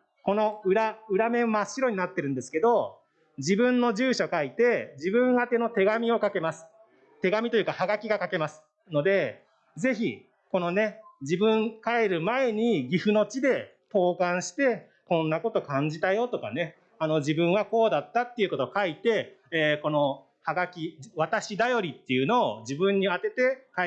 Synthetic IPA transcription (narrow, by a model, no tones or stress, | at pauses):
ko̞no̞ɯ̟ɾaɯ̟ɾame̞maɕːiɾo̞ɲ̟inat̪ːe̞ɾɯ̟nd̪e̞sɨ̥ke̞d̪o̞ | d͡ʑibɯ̟̃nːo̞d͡ʑɨːɕokait̪e̞d͡ʑibɯ̟̃ɰ̃ɡat̪e̞no̞t̪e̞ɡamʲio̞kake̞masɨ̥ | t̪e̞ɡamʲit̪o̞jɯ̟kahaɡakʲiɡakake̞masɨ̥ | no̞d̪e̞ | ze̞çi | ko̞no̞ne̞d͡ʑibɯ̟̃ŋkae̞ɾɯ̟mae̞ɲ̟iɡʲiɸɯ̟no̞t͡ɕid̪e̞ | t̪o̞ːkãɰ̃ɕi̥t̪e̞ | kõ̞nːako̞t̪o̞kãɲ̟d͡ʑit̪ajo̞t̪o̞ka̰ne̞ | ano̞d͡ʑibɯ̟̃ɰ̃ako̞ːd̪at̪ːat̪ːeiɯ̟ko̞t̪o̞kait̪e̞ːko̞no̞ | haɡakʲiβat̪aɕid̪ajo̞ɾʲit̪ːejɯ̟no̞ːd͡ʑibɯ̟̃ɲ̟ːiat̪e̞t̪e̞ka